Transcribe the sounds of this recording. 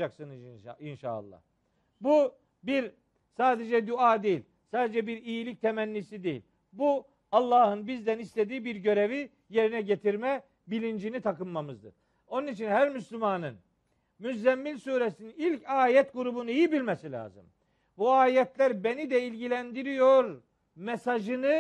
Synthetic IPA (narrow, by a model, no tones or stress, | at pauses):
aksɯnɯzinʃa̰ːlˠːa̰h | bu | biɾ | saːd̪ed͡ʒɛd̪uaːd̪ejilʲ | saːd̪ed͡ʒɛbiɾijilʲic̚t̪ʰemænːisid̪ejḭlʲ | bu | ɑlˠːɑːhɯnbizd̪ænist̪ʰed̪iːbiɾɟø̞ɾe̞vi | je̞ɾinɛɟet̪ʰiɾmɛ | bilʲind͡ʒinit̪ʰakɯnmːamɯzd̪ɯ̰ɾ̥ | o̞nunit͡ʃʰinhæɾmyslʲymanɯn | myzd̪ɛmːilʲsuːɾesiniilʲcʰaːjɛt̪ɡuɾubunɯijibilʲmesilʲa̰ːzɯ̰m | buaːjɛt̪lʲæɾbenid̪ɛilʲɟilʲænd̪iɾijo̞ɾ | mesaʒɯnɯ